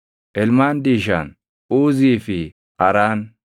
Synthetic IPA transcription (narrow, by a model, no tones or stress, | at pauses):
ʔɛlmaːnd̪iːʃɐ̰n | uːziːfɪ | ʔɐɾaːn